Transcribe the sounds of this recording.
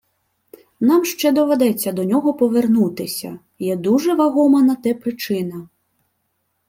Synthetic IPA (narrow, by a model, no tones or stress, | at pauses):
namʃt͡ʃɛd̪ɔʋɛd̪ɛt͡sʲːɐd̪ɔnʲɔɦɔpɔʋernut̪ɪsʲɐ̰ | jɛd̪uʐɛʋaɣɔmɐnɐt̪ɛpɾɪt͡ʃɪnɐ